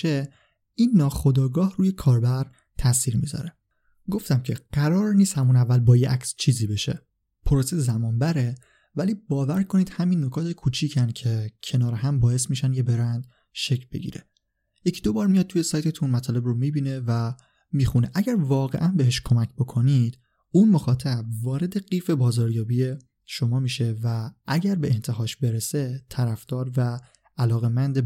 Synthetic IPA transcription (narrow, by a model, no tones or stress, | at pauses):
e | inːɒːxo̞d̪ɒːɡɒːhruːje̞kʰɒːɾbæɾ | t̪ʰæsiːɾmḭzɒ̰ɾe | ɡo̞ft̪æmcʰe̞ɢ̥æɾɒːɾniːst̪hæmunævːælbɒːjeʔæcst͡ʃʰiːziːbe̞ʃe | pʰoɾosezæmɒːnbæɾe̞ | væliːbɒːvæɾkʰo̞niːd̪̥hæminːo̞kʰɒːt̪ʰekʰuːt͡ʃʰiːcʰæn̥cʰe̞cʰe̞nɒːɾeɦæmbɒːe̞s̬miːʃænd̪jebe̞ɾænd̪̥ | ʃe̞cʰlbe̞̰ɟḭːɾḛ | jecʰid̪o̞bɒːɾmijɒːd̪̚t̪ʰujesɒːjt̪ʰe̞t̪ʰunmæt̪ʰɒːle̞bromiːbiːne̞væ | miːxuneʔæɟæɾvɒːɣe̞ʔænbe̞ɦeʃkʰo̞mæcʰbokʰo̞nid̪̥ | unmo̞xɒːt̪ʰæb̚vɒːɾe̞d̪e̞ɢiːfe̞bɒːzɒːɾjɒːbije̞ | ʃo̞mɒːmiːʃe̞væʔæɟæɾbe̞ʔent̪ʰe̞ɦɒːʃbe̞ɾese̞t̪ʰæɾæfd̪̥ɒːɾvæː | lɒːɣe̞mænd̪e